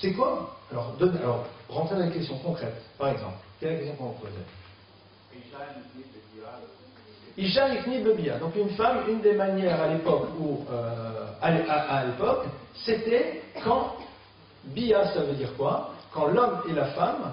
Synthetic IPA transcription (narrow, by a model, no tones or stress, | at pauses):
sɛkwaalɔʁd̪ɔnalɔʁʁɑ̃t̪χed̪ɑ̃lekʲɛst̪jɔ̃kɔ̃kχɛt̪paʁɛɡzɑ̰̃plkʲɛlɛlak̬ʲɛst̪jɔ̃kɔ̃ɔ̃pozɛ̰ | iʃaikniləbijad̪ɔ̃kynfamynd̪emanjɛʁalepɔkuøalaalepɔkset̪ɛkɑ̃ | biaslavød̪iʁkwakɑ̃lɔmelafam